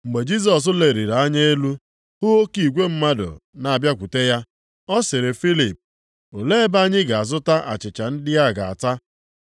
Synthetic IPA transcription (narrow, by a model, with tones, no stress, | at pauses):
ŋ͡m̩˨ɡ͡be˨d͡ʒi˦s̬ɔ˨s̬ʊ˦le˨ɾi˨ɾa˨a˦ɲe˦e˦lu˦ | hʊ˦o˦ki˨ɡʷe˦m̩˦ma˦dʊ̰˨na˨a˨bja˦kʷu˨te˦ja˦ | ɔ˦sɪ˨ɾe˨fi˦li˨p̚ | o˨le˦ba˦ɲɪ˦ɡa˨a˨zʊ˦ta˦ʔa̰˨t͡ʃɪ˨t͡ʃa˨n̩˦dɪ˦a˦˨ɡa˨a̰˨ta˦